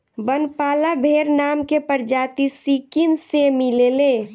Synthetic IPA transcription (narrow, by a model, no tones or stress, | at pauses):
bənpaːlabʱeːɾnaːmkepəɾd͡ʒaːt̪isikimsemileleː